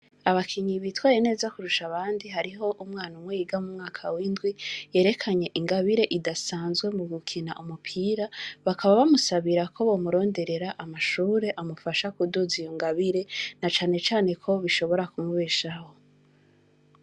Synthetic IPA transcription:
aβakʰiɲiβitwaːjene̞ːzakuɾuʃaβaːndiɦaɾiɦo̞ʔumŋaːnumwejiːɡamumŋaːkʰawiːndɡwije̞ːɾe̞kʰaɲe̞ʔiŋɡaβiɾe̞ʔidasaːnzɡwe̞muɡukʰinaʔumupʰiːɾaβakʰaβaβamusaβiɾakʰo̞βo̞ːmuɾo̞ːnde̞ɾe̞ɾaʔamaʃuːɾe̞ʔamufaʃakuduzijoŋɡaβiɾe̞nat͡ʃaːne̞t͡ʃaːne̞kʰo̞βiʃo̞βo̞ɾakumuβeːʃaho̞

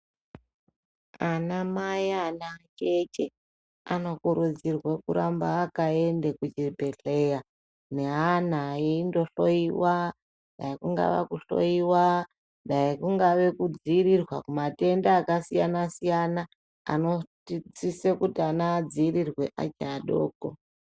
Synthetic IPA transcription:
anamajaːnat͡ʃet͡ʃe | ano̞kuɾud͡zirwe̞kuɾambaːkae̞ndekud͡ʒipeɬe̞ja | ne̞ɦan̤aeindo̞ɬo̞iwa | ɗaikuŋɡa̰ʋa̰kuɬo̞̰iwa | ɗaikuŋɡaʋe̞kud͡ziːrirwakumate̞ndaːkasijanasijana | a̰notit͡sisekutianad͡ziirirwe̞ʔa̰t͡ʃaɗo̰ːko̰

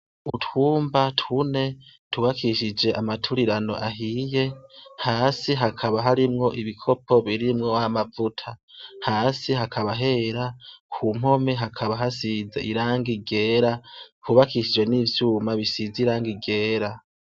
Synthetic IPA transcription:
uthuːmbatʰune̞tʰuβakʰiʃid͡ʒe̞ʔamatʰuɾiɾano̞̰ʔaɦije̞haːsiɦakʰaβaɦaɾimŋo̞ʔiβikʰo̞pʰo̞βiɾimŋo̞amavutʰahaːsiɦakʰaβaɦe̞ːɾakʰuːm̥ho̞me̞ɦakʰaβaɦasizḛʔiɾaːŋɡiɡe̞ːɾahuβakiʃid͡ʒwe̞niːvjuːmaβisiziɾaːŋɡiɡe̞ːɾa

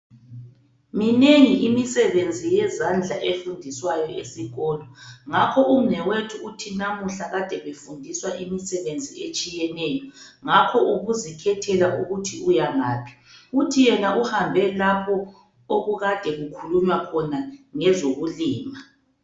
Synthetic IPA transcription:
mineŋiʔimisɛβend͡zʱijɛzand͡ɮʱaʔefundʱiswajɔʔesiɣɔːlɔŋakʰɔʔum̩nɛwetʰuːtʰinamuɬaɣad̥ʱɛβefundʱiswaʔimisɛβend͡zʱiet͡ʃʼijɛnɛjɔŋakʰɔʔuɣuzikʰɛtʰɛlaʔuɣutʰiujaŋaːpʰi̥ | utʰijɛnauhambʱɛlapʰɔ | oɣuɣad̥ʱɛɣukʰuluɲwakʰɔnaŋɛzoɣuliːma

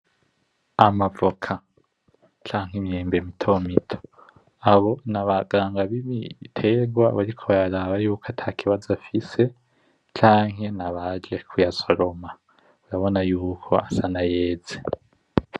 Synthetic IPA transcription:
amavokʰa | t͡ʃaːŋɦimjeːmbemitʰo̞ːmitʰo̥ | aβo̞naβaɡaːŋɡaβiβḭtʰeɡwa̰βaɾikʰo̞βajaɾaβajuːkʰatʰakʰiβazafise̞ | t͡ʃaːŋ̥ɦe̞naβad͡ʒe̞kʰujaso̞ɾo̞ma | uɾaβo̞najuːkʰo̞asanaje̞ːd͡ze

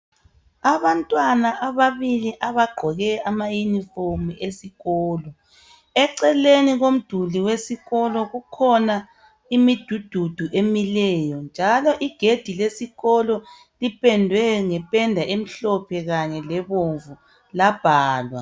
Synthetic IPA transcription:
aβantʼwanaʔaβaβiliʔaβaɡ͡ǃʱɔɣɛamajuniformuesiɣɔːlɔ | ɛǀɛleniɣom̩d̥ʱuliwesiɣɔlɔɣukʰɔna | imid̥ʱud̥ʱud̥ʱuʔemilɛːjɔnd͡ʒʱalɔʔiɡ̥ʱed̥ʱilesiɣɔlɔ | lipʰʼɛndʱwɛŋɛpʼɛndʱaʔem̩ɬɔpʰɛɣaɲɛlɛβoɱvu | lab̥ʱaːlwa̰

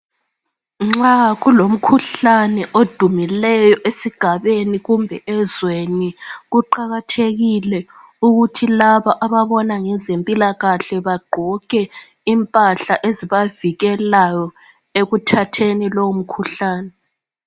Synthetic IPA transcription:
ŋ͡ǁaɣulom̩kʰuɬanɛʔod̥ʱumilɛjɔʔesiɡ̥ʱaβeniɣumbʱɛʔɛzweniɣuǃaɣatʰeɣilɛ | uɣutʰilaβaʔaβaβɔnaŋɛzempʼilaɣaɬɛβaɡ͡ǃʱɔkʼɛ | impʼaɬaʔeziβaviɣɛlajɔ | eɣutʰatʰenilowum̩kʰuɬaːnɛ

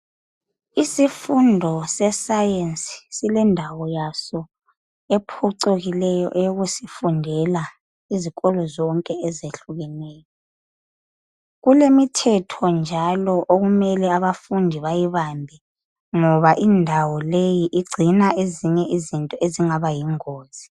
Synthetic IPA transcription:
isifundʱɔsɛsajensʼi̥silɛndʱawɔjasɔ | epʰuǀoɣilɛjɔ̰ʔɛjoɣusifundʱɛla | iziɣɔlɔzɔŋkʼɛɛzeɬuɣɛnɛːjɔ | ɣulemitʰɛtʰɔnd͡ʒʱalɔʔoɣumɛlɛaβafundʱiβajiβambʱɛ | ŋɔβaʔindʱawɔlejiʔiɡ͡ǀʱinaʔeziɲɛʔizintʼɔeziŋaβajiŋoːz̥i

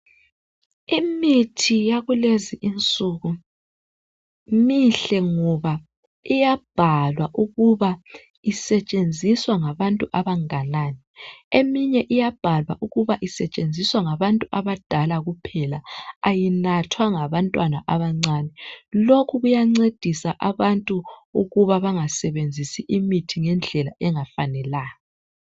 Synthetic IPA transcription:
imitʰijaɣuleziʔint͡sʼuɣu | miɬɛŋɔβa | ijab̥ʱalwaʔuɣuβa | isɛt͡ʃʼend͡zʱiswaŋaβantʼuʔaβaŋananɛemiɲɛʔijab̥ʱalwa̰ʔuɣuβaʔisɛt͡ʃʼend͡zʱiswaŋaβantʼuʔaβad̥ʱalaɣupʰɛlaajinatʰwaŋaβantʼwana̰ʔaβaŋ͡ǀaːnɛlokʰuɣujaŋ͡ǀed̥ʱisaʔaβantʼuuɣuβaβaŋasɛβend͡zʱisiʔimitʰiŋɛnd͡ɮʱɛla̰ʔɛŋafanɛlaːjɔ

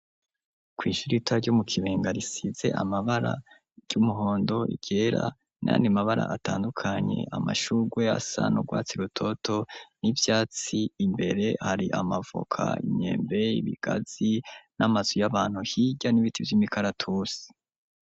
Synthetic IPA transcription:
kwiːʃuɾitaɾɟumukʰiβeːŋɡaɾisize̞̰ʔa̰maβaɾa̰ | ɟ̥umuɦo̞ːndo̞ḭɡ̥eːɾa̰ | nʔa̰ːndimaβaɾa̰ʔataːndukʰaɲe̞̰ʔamaʃuɡwe̞a̰sa̰noɡwaːt͡siɾutʰo̞tʰo̞nivjaːt͡siːmbe̞ɾe̞haɾiʔamavo̰kʰa̰ḭɲe̞̰ːmbe̞iβḭɡ̥az̥inamaz̥ujaβaːn̥huhiɟaniβitʰivjimikʰaɾatʰusi̥

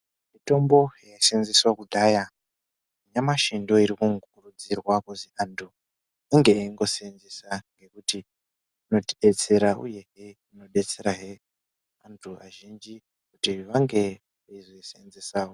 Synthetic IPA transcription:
mito̞mbo̞jaisenzeswakudʱaja | iɲamaʃindo̞iɾikuŋurud͡zirwakuziantʰu | iŋɡeeiŋɡo̞senzesaŋɡe̞kuti | ino̞tiɗe̞t͡se̞ɾaṵje̞ɦeino̞ɗe̞t͡se̞ɾaɦe | antʰuaʒind͡ʒi | kutiʋaŋɡe̞ | izeseenzesaːo

